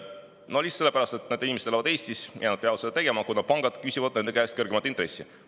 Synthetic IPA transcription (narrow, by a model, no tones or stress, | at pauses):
nolʲisse̞lːe̞pæɾɑst̪e̞t̪ːned̪einimest̪eɑvɑd̪̥e̞ːsʲt̪isjɑnɑd̪̥̚peɑvt̪sed̪ɑt̪e̞ɡe̞mɑkunɑd̪̥̚pɑŋɡ̥ɑd̪̥kysivɑd̪̥̚ne̞nd̪e̞kæest̪̚kɤrɡemɑt̪ːˑint̪re̞sːi